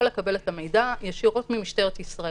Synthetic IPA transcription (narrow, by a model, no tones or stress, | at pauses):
olekabe̞le̞tame̞jdajaʃiʁo̞tmimiʃte̞ʁetissʁae